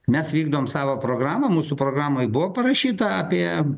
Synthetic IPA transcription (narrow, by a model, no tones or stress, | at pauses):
mʲɛsʋʲiːɡd̪oʋɔmsɑːʋoːpɾoːɡɾɑːmɐmuːsʊpɾoːɡɾɑːmoːjbʊʋoːpɐɾɐʃʲiːt̪ɐɑːpʲiɛ